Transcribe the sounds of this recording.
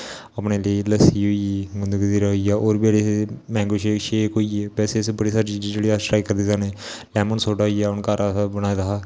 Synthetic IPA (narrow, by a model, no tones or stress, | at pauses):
əpneːleləsiːɦoiɡʊnd̪əɡd̪iːɾəɦijaːʔoːɾbɛːɽesemɛ̃ːŋɡoʃeʃeːkoːieʋɛːsesebəɽiːsaːɾit͡ʃiːzd͡ʒeːɽiaʈɾaːikəɾd̪iːzaːneː | lɛːmənsoːɖaːijaːʊnkaːɾaːsabənaːd̪aɦː